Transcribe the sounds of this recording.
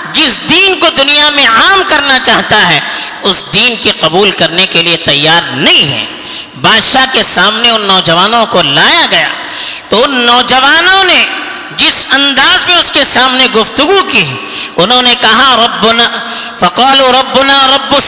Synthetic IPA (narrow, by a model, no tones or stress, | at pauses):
d͡ʒɪsd̪iːnkod̪ʊnijamẽaːmkɐɾnat͡ʃaːɦt̪aɦɛʊsd̪iːnkiqɐbuːlkɐɾnekeliet̪ɐjːaːɾnɐɦĩɦɛ̰̃ː | baːd̪ʃakesaːmneʊnːɔːd͡ʒɐʋaːnõkolaːjaɡɐja̰ː | t̪oʊnːɔːd͡ʒɐʋaːnõne | d͡ʒɪsɐ̃nd̪aːzmẽʊskesaːmneɡʊft̪ʊɡukiʊnɦõnekɐɦaɾɐbːʊnaːfɐqaːluɾɐbːʊnaːɾɐbːʊs